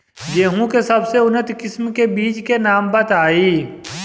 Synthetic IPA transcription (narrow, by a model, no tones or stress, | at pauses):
d͡ʒeːɦũkesɐbseʊnət̪kɪsmkebiːt͡ʃkenaːmbət̪aːiː